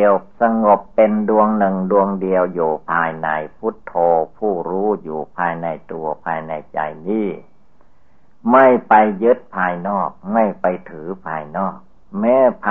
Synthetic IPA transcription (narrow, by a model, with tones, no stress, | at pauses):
əwsa˧ŋo˨˩pːe˧ndu˧əŋnɯ˨˩ŋdu˧əŋdi˧əwjuː˨˩pʰaː˧jna̰˧˩jpʰu˦˥t̪ʰːoː˧pʰuː˥˩ɾuː˦˥juː˨˩pʰaː˧jna˧jt̪u˧ɐpʰaː˧jna˧jt͡ɕa̰˧jniː˥˩ | ma˥˩jpa˧jːɯ˦˥t̪̚pʰaː˧jnɔː˥˩k̚ma˥˩jpa˧jt̪ʰɯː˩˦pʰaː˧jnɔː˥˩k̚ | mɛː˦˥pʰː